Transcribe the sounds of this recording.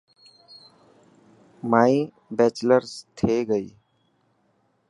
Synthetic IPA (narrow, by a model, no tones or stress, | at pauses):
maːi | bɛːt͡ʃləɾst̪ʰeːɡəiː